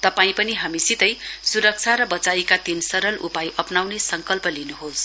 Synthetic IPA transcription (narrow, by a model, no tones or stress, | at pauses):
t̪ʌpaĩpʌniɦʌmisit̪ʌjsuɾʌk̚t͡sʰaɾʌbʌt͡saikat̪insʌɾʌlʔupajʔʌpnawnesʌŋkʌlpʌlinuɦos